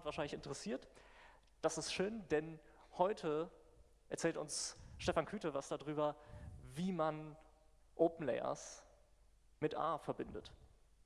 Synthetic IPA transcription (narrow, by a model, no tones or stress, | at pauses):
tv̥aɐʃaɪnlɪçɪntəʁəsiːɐt | d̥asɪstʃøːnd̥ɛn | hɔʏtʰə | ʔɛɐt͡sɛːltʊ̰nsʃtɛfankʰyːtəvasd̥adʁyːbɐviːman | ʔoːpn̩lɛ̰ɪɐ̰s | mɪtʔa̰ːfɛɐbɪndət